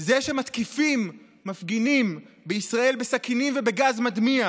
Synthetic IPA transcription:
zeʃemat̪kifimː | afɡinim | beisʁae̞lbesakinimvebeɡazmad̪mia

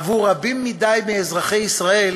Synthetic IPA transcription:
vuʁabimːid̪ajmiɛzʁaχejisʁael

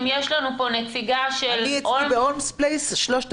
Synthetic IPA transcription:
mjeʃlanupo̞nefiɡaʃelitʔibeolmsplejsʃloʃt̪

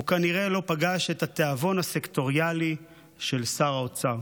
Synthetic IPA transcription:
ukaniʁe̞lo̞paɡaʃe̞tat̪eavo̞nhase̞kt̪o̞ʁjali | ʃe̞lsaʁaot͡sa

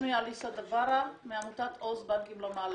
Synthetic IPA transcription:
mialisad̪avaɾameamut̪at̪ʰozbaŋkimlamal

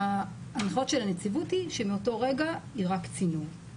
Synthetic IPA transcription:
anχo̞tʃelanet͡sivuthiʃemeoto̞ʁeɡaiʁakt͡sinu

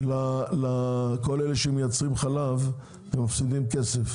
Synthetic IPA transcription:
lalako̞leleʃemejat͡sʁimχalav | vemafsid̪imkesef

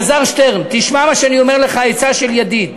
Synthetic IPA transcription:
zaʁʃt̪eʁmt̪iʃmamaʃeanio̞meʁleχaet͡saʃeljad̪id

